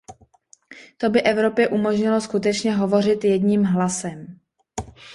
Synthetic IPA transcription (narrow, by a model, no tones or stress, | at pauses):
t̪o̞bɪʔɛvɾo̞pjɛʔumo̞ʒɲɪloskut̪ɛt͡ʃɲɛɦo̞vo̞r̝ɪt̪jɛdɲiːmɦlasɛm